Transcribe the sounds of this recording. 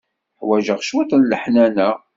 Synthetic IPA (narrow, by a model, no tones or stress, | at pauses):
ħwæʒəʁʃwæt̪ənləħnænæ